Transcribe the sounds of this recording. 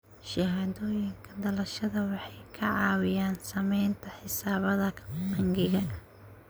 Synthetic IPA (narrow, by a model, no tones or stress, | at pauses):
ʃɪɦaːðɔːjɪŋkʰɐd̪ɐlɐʃɐðɐwɑħɑjkʰɐʕɑːwɪjaːnsɐmɛjnt̪ʰɐħɪsaːβɐðɐqɐŋɡɪɣɐ